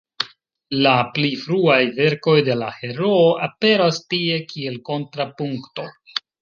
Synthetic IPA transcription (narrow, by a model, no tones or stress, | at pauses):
laplifɾuajve̞ɾko̞jde̞lahe̞ɾo̞ːʔape̞ɾastie̞kie̞lko̞ntɾapuŋkto̞